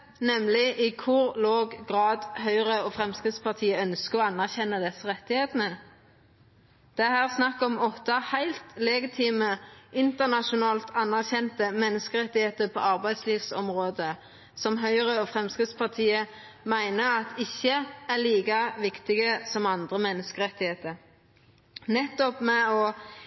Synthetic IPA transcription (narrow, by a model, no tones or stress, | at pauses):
nɛmlɪʔɪkʰʊʁloːɡɡʁɑːd̪hœʏʁəoːfʁɛmskʁɪd̪spɑʁt̪ʰiːəœnskəɔːɑnːæʁçɛnːəd̪ɛsəʁɛt̪ːɪheːt̪nə | d̪̥ɛæhæːʁsnɑkːɔmɔt̪ɑhæɪlt̪lɛɡɪt̪ʰiːməʔɪnt̪əʁnɑʃʊnɑːlt̪ʰɑnːæʁçɛnt̪əmɛnːəskəʁɛt̪ːɪheːt̪əʁpʰɔ̰ɑʁbæɪd̪sliːʋsɔmʁoːd̪ə | sɔmɦœʏəʁəɔfʁɛmskʁɪt̪spɑʁt̪ʰiːə | mæɪnəɑt̪ʰɪçːəæʁliːkɑʋɪkt̪ɪɡəsɔmɑnd̪ʁəmɛnːəskəʁɛt̪ːɪheːt̪əɾ | nɛt̪ːɔpmɛɔ